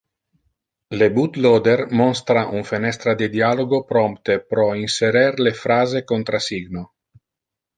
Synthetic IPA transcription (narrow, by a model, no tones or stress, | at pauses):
lebut̪lod̪ermɔnst̪ɾaʔunfenɛst̪ɾad̪ed̪ialoɡopɾompt̪epɾɔinseɾɛɾlefɾaːzekont̪ɾasiɡno